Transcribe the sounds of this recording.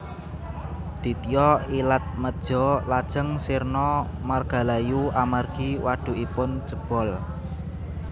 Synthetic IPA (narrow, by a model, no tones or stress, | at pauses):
d̪̥i̤t̪ijɔilat̪̚məd̥ʒ̥ɔ̤lad̥ʒ̥əŋsirnɔmarɡ̥a̤lajuamarɡ̥iwaɖ̥ṳʔipʊnt͡ʃəb̥ɔ̤l